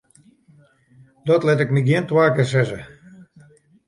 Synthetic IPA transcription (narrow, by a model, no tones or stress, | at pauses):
d̥ɔtlɛtɛkmiɡiəntwaːkəs̬ɛzə̰